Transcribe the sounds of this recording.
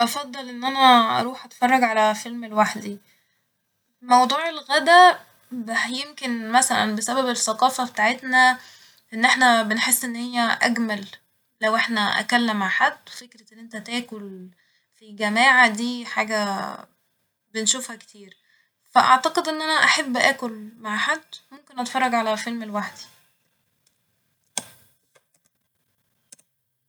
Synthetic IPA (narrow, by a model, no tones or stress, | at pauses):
ʔɑfɑd̪ˤːɑlʔenːʔænæʔɑ̰ɾˤuːħʔæt̪fɑrˤːɑɡʕalæfelmelwaħd̪i | mɑwd̪ˤuːʕelɣæd̪æ | bjemkenmæsælæ̰nbesæbæbesːæqɑːfæbet̪aːʕet̪næ | ʔenːʔeħnæbenħesːʔenːhejːæʔæɡmælː | æwʔeħnæʔæ̰kælːæmʕaʕħad̪ːwfekɾæʔenːʔent̪æt̪æːkol | fiɡæmæːʕad̪iːħaːɡæ | benʃuːfhækt̪iːɾ | fæʔɑ̰ʕt̪ɑqed̪ʔenːʔænæʔaħabːʔæːkolmaʕħad̪ːmomkenʔɑt̪fɑrˤːɑɡʕalæfelmelwaħd̪i̥